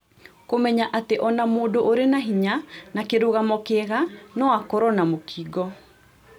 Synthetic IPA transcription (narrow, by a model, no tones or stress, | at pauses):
komɛɲaʔateʔɔnamoːdoʔoɾenaɦiɲanakeɾoɣamɔkɛɣanɔwakɔɾɔnamokʰiːɡɔ